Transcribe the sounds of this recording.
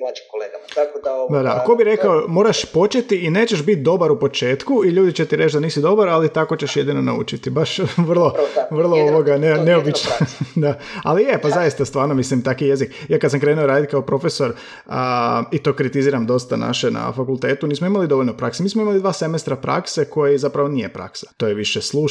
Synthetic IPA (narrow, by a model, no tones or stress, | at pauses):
d̪ad̪ako̞biɾe̞kaomo̞ːɾaʃpo̞t͡ʃe̞t̪iine̞ːt͡ɕeʃbit̪̚d̪o̞baɾupo̞t͡ʃe̞ːt̪kuiʎuːd̪it͡ɕet̪iɾe̞t͡ʃd̪aniːsid̪o̞baɾalit̪ako̞t͡ɕe̞ʃje̞d̪ino̞naṵt͡ʃit̪ibaʃʋr̩lˠoʋr̩lˠooʋoɡaneneobit͡ʃnod̪aa̰lijepazaist̪ast̪ʋaːɾnomislimt̪akije̞zikjaːkad̪samkɾeːnuoɾaːd̪it̪̚kaopɾo̞fe̞so̞ɾ | əit̪o̞ːkɾit̪iziːɾamd̪o̞st̪ana̰ʃena̰fakulˠt̪e̞ːt̪uniːsmoimalid̪o̞ʋoʎʲno̞pɾaksemiːsmoimalid̪ʋaːse̞mest̪ɾapɾa̰kseko̞jizapɾaʋo̞nijepɾa̰ksḁt̪o̞ːjeʋiʃeslˠuː